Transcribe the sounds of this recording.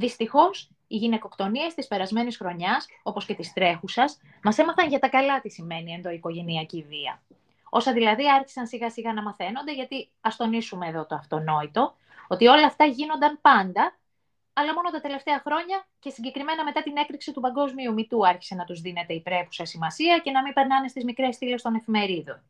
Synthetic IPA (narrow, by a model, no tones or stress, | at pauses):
ðist̪ixo̞s | iʝine̞ko̞kt̪o̞nie̞st̪ispe̞ɾɐzme̞nisxɾo̞ɲɐs | o̞po̞sce̞t̪ist̪ɾe̞xusɐs | mɐse̞mɐθɐnʝɐt̪ɐkɐlɐt̪isime̞nie̞nðo̞iko̞ʝe̞niɐciviɐ̰ | o̞sɐðilɐðiɐɾçi̥sɐnsiɣɐsiɣɐnɐmɐθe̞no̞nd̪e̞ʝɐt̪i | ɐst̪o̞nisume̞ːðo̞t̪oɐft̪o̞no̞it̪o̞ | ot̪io̞lɐːft̪ɐʝinond̪ɐnpɐnd̪ɐ | ɐlɐmo̞no̞t̪ɐt̪e̞le̞ft̪eɐxɾo̞ɲɐce̞siɲɟe̞kɾime̞nɐme̞t̪ɐt̪ine̞kɾiksit̪upɐŋɡo̞zmiumit̪uɐɾçi̥se̞nɐt̪uzðine̞t̪e̞ipɾe̞pu̥sɐsimɐsiɐce̞nɐmimpe̞ɾnɐne̞st̪izmikɾe̞sθile̞st̪o̞ne̞fime̞ɾiðon